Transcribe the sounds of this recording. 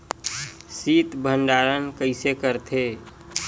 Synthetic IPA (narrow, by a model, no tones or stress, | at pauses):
siːt̪bʱənɖaːɾənkəɪsekəɾt̪ʰeː